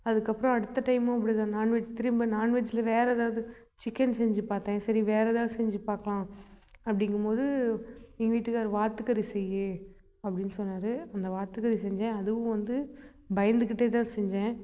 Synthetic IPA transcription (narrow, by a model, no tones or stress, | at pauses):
ɐðɯkːɐpːɯɾɔ̃ɐɽɯt̪ːɐʈɐɪmõɐp̬ːɐɽit̪ãːnaːɳʋɐt͡ʃːt̪ɪɾɪmbɐnaːɳʋɐt͡ʃːɪlɐʋeːɾɛːðaːʋɐðɯ | t͡ʃɪkːɛnsɛɲd͡ʒɯpaːɾt̪ãːsɐɾiʋeːɾɛðaːsɛɲd͡ʒɯpaːɾkɐlãːɐpːɐɽɪŋɡɯmpoːðɯ | ɪŋɡʋiːʈːɯkaːɾʋaːt̪ɯkɐɾisɛjːɯ | ɐpːɐɽɪnːɯsɔnːaːɾɯɐnd̪ɐʋaːt̪ːɯkɐɾisɛɲd͡ʒɛ̃ɐðɯʋʊ̃ʋɐnd̪ɯ | bɐjɐnd̪ɯkɪʈːeːt̪ãːsɛɲd͡ʒɛ̃ː